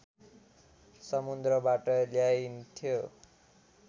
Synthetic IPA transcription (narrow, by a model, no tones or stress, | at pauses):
sʌmund̪rʌbaʈʌljajnt̪ʰijo